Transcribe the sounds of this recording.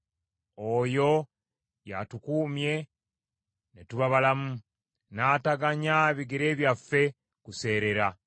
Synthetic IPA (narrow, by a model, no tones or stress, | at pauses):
ojo̞ | jatukuːmje̞ | netuβaβalamu | naːtaɡaɲaβiɡeɾe̞ːβjafːe̞ | kuse̞ːɾe̞ɾa